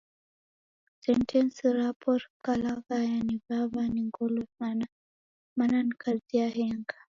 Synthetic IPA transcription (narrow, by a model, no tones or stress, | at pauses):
sɛntʰɛnsɾapʰɔɾkalaɣajanivaβaniŋɡɔlɔsana | mananikʰaziaɦɛŋɡa